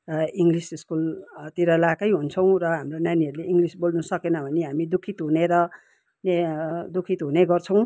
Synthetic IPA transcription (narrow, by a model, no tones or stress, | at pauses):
iŋɡlisiskult̪iɾʌlakʌjɦunt͡sʰʌw̃rʌɦamronjaniɦʌɾuleʔiŋɡlisbolnusʌkenʌbʱʌneɦamid̪ukʰit̪ɦuneɾʌ | nd̪ukʰit̪ɦuneɡʌrt͡sʰʌ̃w̃